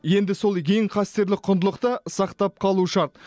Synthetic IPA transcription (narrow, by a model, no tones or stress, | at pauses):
je̞nd̪ɪso̞lˠkʲʰe̞ŋqʰɑst̪e̞ɾlɪk̚qʰʊnd̪əlˠəqt̪əsɑqt̪ɑp̚qʰɑlˠuʃɑɾt̪̚